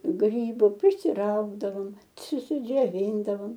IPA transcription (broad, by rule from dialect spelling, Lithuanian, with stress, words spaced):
ˈɡrʲiːbʊ pʲrʲɪsʲɪˈrɐʊɡdɐʋoːm t͡sʲʊsʲɪd͡ʒʲoːˈʋʲiːndɐʋoːm